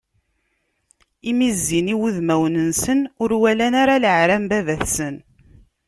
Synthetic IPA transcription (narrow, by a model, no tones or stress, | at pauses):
imizːiniwuðmæwnənsənʊɾwælænaɾaləʕɾæmbævæθsən